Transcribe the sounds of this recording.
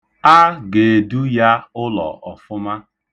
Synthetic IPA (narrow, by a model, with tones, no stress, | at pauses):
a˦ɡe˨du˦ja˦ʊ˦lɔ̰˨ɔ˨fʊ˦ma˦